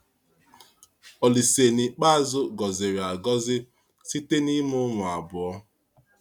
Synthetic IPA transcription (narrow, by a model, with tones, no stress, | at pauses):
ɔ˨li˨se˨ni˨k͡pa˦a˦zʊ˦ɡɔ˨zɪ˨ɾɪ˨a˨ɡɔ˦zɪ˦ | si˦te˦ni˦mʊ˦ŋʷʊ˨a˨bʊ˨ɔ˦